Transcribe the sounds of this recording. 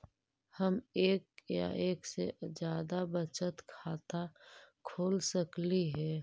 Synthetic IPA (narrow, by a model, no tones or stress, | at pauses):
həmeːkja̰ʔeːksḛd͡ʒjaːd̪abət͡ʃət̪kʰaːt̪akʰoːlsəkliɦɛː